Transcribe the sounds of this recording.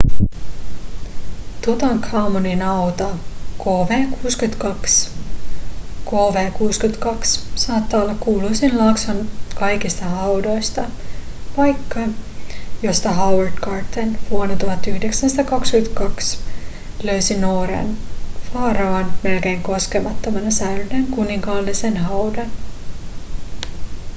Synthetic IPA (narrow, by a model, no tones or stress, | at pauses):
t̪ut̪ɑŋkʰɑmoninɑwt̪ɑkoːʋeːkuːskyt̪kɑks | koːʋeːkuːskyt̪kɑksːɑːt̪ːɑːolːɑkkːuːlujsinlɑksonkɑjkist̪ɑɦɑwdo̞jst̪ɑʋɑjkːɑ | jo̞st̪ɑɦɑwerd̪kɑːrt̪ːenʋuonet̪uɦɑt̪ːyhdeksænst̪ɑkɑkskyt̪kɑks | løysinoːɾḛnfɑːɾɑɑnme̞lke̞ːŋko̞skemɑt̪ːomɑnɑsæyyneŋkuniŋkɑlːisenɦɑwdɑn